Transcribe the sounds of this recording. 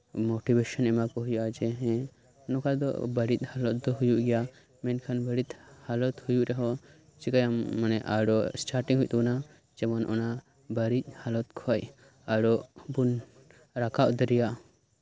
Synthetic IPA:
mɔʈibeʃɔnɛmakɔɦujʔad͡ʒɛɦɛ̃ | nɔkʰad̪ɔ̰bəɾit̪̚ˀhalɔt̪̚d̪ɔɦujuʔɡɛja | mɛnkʰanbəɽit̪halɔt̪hujuʔɾɛɦɔ | t͡ʃikajamːanɛʔa̰ɽɔʔsʈaɾʈiŋɦujt̪ɔna | d͡ʒɛmɔnɔ̰na | bəɾit̪̚ˀhalɔt̪kʰɔj | aɽɔʔbun | ɾakaʔd̪ɔɾijaʔ

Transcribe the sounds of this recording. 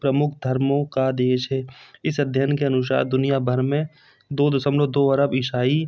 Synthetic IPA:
pɾəmʊkʰd̪ʱəɾmõkad̪eːʃɦɛːɪsəd̪ʱjənkeənʊʃ̬a̰ːɾd̪ʊnɪjabʱəɾmẽ | d̪oːd̪sə̃mlod̪oːəɾəbɪʃaːi

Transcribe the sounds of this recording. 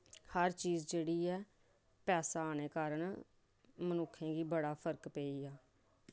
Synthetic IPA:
həɾt͡ʃiːzd͡ʒeːɽiːɛː | pɛːsaːaːneːkaːɾəɳ | mənʊkʰːẽːɡiːbəɽaːpʰəɾkpeːiːaː

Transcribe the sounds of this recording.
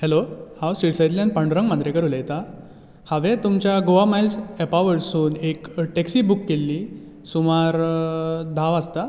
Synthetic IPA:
helohawsiɽsajd̪ljãnpəɳɖɾəŋɡmand̪ɾekəɾulajet̪a | haʋẽt̪umt͡ɕjaɡoʋamajlsepaʋəɽsuːnekʈeksiːbukːelːiː | sumaɾ | d̪ʱaʋast̪a

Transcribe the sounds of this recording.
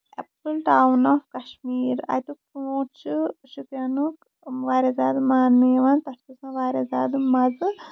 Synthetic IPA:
ḛpɾɨlʈaːwnaːfkɐʃmiːɾa̰jt̪upoːt͡ʃʰɨʃukjɐnuk | ʋaːɾʲezaːd̪ɨmaːnmeːʋaːnt̪ɐstisãʋaːɾʲazaːd̪ɨmɐzɨ

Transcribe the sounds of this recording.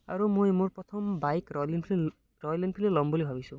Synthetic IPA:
a̰ɾumojmoɾpɔt̪ʰɔmbajklinpʰ | ɾɔjlinpʰilelɔmbolibʱabisũ

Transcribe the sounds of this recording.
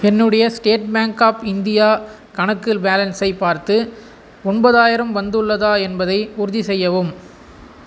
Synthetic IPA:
ɛnːɯɽɐjɐsʈeːʈ̚baːŋkaːpɪnd̪ɪjaː | kɐɳɐkːɪlbaːlɐnsɐɪpːaːɾt̪ɯ | ɔɳbɐðaːjɪɾɐmʋɐnd̪ɯɭːɐðaːɛnbɐðɐɪʊɾʊðisɛjːɐʋɯm

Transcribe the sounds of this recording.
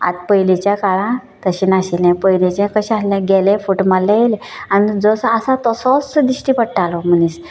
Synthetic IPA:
a̰t̪̚pəjlet͡ɕjakaɭã | t̪əɕinaɕilɛ̃pəjlet͡ɕɛ̃kəɕaslɛ̃ɡɛlɛ̃fuʈmalːɛ̃jele | anid͡zɔsasat̪ɔsɔsd̪iɕʈipəɽʈalɔm̤ənis

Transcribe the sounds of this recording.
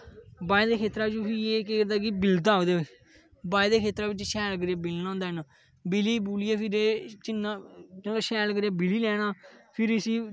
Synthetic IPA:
baːiːd̪eːkʰeːt̪ɾaːɪt͡ʃupiːeːkeːd̪aːɡibɪld̪aːod̪eː | baːeːd̪eːkʰeːt̪ɾaːbɪt͡ʃʃɛːlkəɾjaːbɪlnãːnd̪aɛːnaː | bɪliːbuːliːaːpʰɪɾeːt͡ʃɪnːaːt͡ʃəːaʃɛːlkəɾjaːbɪliːlɛːɽaːpʰɪɾəsiː

